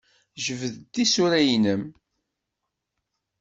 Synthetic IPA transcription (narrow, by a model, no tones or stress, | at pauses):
ʒəvðd̪isuɾæjnəm